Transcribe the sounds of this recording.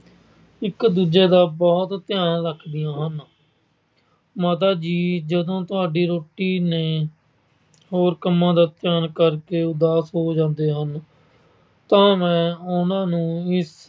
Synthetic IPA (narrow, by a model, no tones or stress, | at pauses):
ɪkd̪uːd͡ʒeːd̪aːbɔːt̪t̪ɪjaːnləkʰd̪ɪjãːɦən | maːt̪̬aːd͡ʒiːd͡ʒəd̪õːt̪ʊaːɖiːɾoːʈiːneː | hoːɾkəmːãːd̪aːt̪ɪjaːnkəɾkeːʊd̪aːsɦoːd͡ʒãːnd̪eːɦən | t̪ãːmɛ̃ːʊnãːnũːɪs